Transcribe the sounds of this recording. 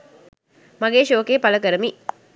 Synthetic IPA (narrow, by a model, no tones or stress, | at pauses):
maɡeːʃoːkeːpaləkəɾəmi